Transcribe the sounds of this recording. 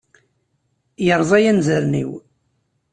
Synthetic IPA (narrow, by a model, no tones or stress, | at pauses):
jəɾˤðˤæjænzəɾnḭw